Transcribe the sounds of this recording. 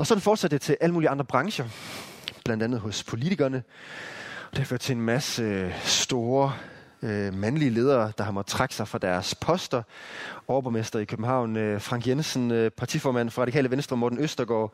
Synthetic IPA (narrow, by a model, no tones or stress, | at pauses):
ɒ̽sɒ̽d̥n̩fɒːd̥sæd̥d̥et͡sʰe̝lʔæləmuːliɑ̈nd̥ʁɐb̥ʁɑ̈ŋɕɐ | b̥lænd̥ænð̞̩ˠɦɔ̽spʰo̝lit͡sʰiɡ̥ɐnə | d̥e̝hɑføɐ̰d̥t͡sʰe̝enmæsəsd̥o̝ːɐ | mænliəle̝ːð̞ˠɐːd̥ɑ̈hɑ̈mɒd̥ˠt͡sʰʁɑ̈ɡ̥sɑ̈ɪfʁɑ̈d̥æɐspʰɒ̽sd̥ɐɒʊb̥ɒmesd̥ʁɐikʰøb̥n̩ɦɑ̈ʊ̰nøfʁɑ̈ŋɡ̥jensən̩pʰɑ̈t͡sʰifɒːmæn̰fʁɑ̈ɾikɛ̰ːləʋensd̥ʁɒ̽mːɔːd̥nøsd̥ɐɡ̥ɒ̰ː